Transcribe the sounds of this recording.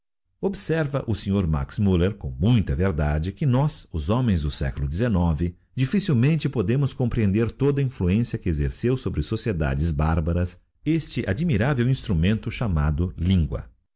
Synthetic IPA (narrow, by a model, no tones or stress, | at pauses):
obsɛɾvɐʔʊseɲoɾma̰ksmuleɾkõw̃mũj̃t̪ɐveɾd̪ad͡ʒɪkɪnɔsʊzõmẽj̃zd̪ʊsɛ̰kʊlʊd͡ʒɪzenɔvɪ | d͡ʒifisiwmẽnt͡ʃɪpod̪ẽmʊskõpɾiẽnd̪eɾt̪od̪ɐĩfluẽsiɐkɪezeɾsewsobɾɪsosied̪a̰d͡ʒɪzbaɾbɐɾɐs | est͡ʃɪʔad͡ʒimiɾavewĩst̪ɾumẽnt̪ʊʃama̰d̪ʊlĩŋɡwɐ̰